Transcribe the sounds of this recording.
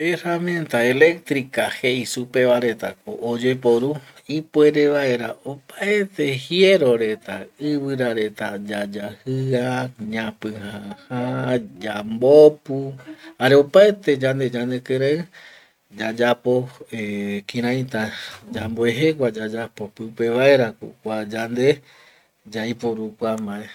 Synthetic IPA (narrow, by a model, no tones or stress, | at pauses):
eramẽnt̪ae̞le̞k̚t̪ɾikahe̞isupe̞ʋaɾe̞t̪a̰koʔod͡ʒe̞po̞ɾu | ipwe̞ɾeβae̞ɾaopaet̪e̞hie̞ɾo̞ɾe̞t̪aɨβɨɾaɾe̞t̪ad͡ʒad͡ʒahɨaɲãpɨ̃hãhad͡ʒambopuhaɾeo̞paet̪e̞d͡ʒand̪e̞d͡ʒand̪e̞keɾeɨ | d͡ʒad͡ʒapo̞ekĩɾãj̃t̪ad͡ʒamboeɦe̞k̬ʷad͡ʒad͡ʒapo̞pɨpe̞βae̞ɾakkʷad͡ʒand̪e̞ | d͡ʒajpoɾukʷamae